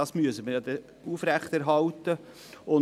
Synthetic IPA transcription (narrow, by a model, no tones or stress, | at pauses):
ɑsmyəsəməjɑd̪ɛ | uːfɾæχt̪æɾɦɑlt̪ə | ʊn